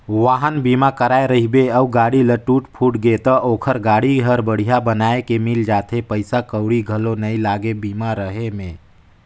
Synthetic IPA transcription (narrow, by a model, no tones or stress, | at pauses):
ʋaːɦənbiːmakəɾaːeɾəɦibeəuɡaːɽiləʈuːʈpʰuːʈɡet̪əʔoːkʰəɾɡaːɽiɦəɾbəɽ̤ijabənaːekemɪld͡ʒaːt̪epəɪsakəʊɽiɡʱəlonəilaːɡebiːmaɾəɦemẽː